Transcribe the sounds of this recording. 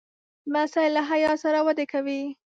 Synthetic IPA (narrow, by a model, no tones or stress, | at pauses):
masajlaɦajɑsaɾawad̪ekawi